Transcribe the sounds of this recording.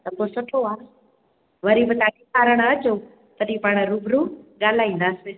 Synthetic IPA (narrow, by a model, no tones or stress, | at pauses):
t̪ɐbosʊʈʰoaː | ʋɐɾibt̪ãːkikaːɾəɽ̃t͡ʃoː | t̪ɐɗĩːpaːɽ̃ɾubɾuːɡaːlaːĩːn̆d̪aːsɪʋe